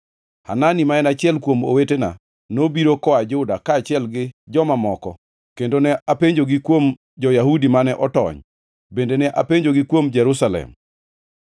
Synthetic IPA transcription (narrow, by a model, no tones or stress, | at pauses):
ha̰nanimaɛnat͡ʃɪɛlkwomo̰wetena̰ | nobiɾokɔad͡ʒʊdakaːt͡ʃɪɛlɡɪd͡ʒɔmamɔkɔ̰ | kendonɛʔapeɲd͡ʒoɡɪkwom | d͡ʒɔjahudimanɛʔɔtɔ̰ɲ | bendenɛʔapeɲd͡ʒoɡɪkwomd͡ʒɛɾusalɛ̰m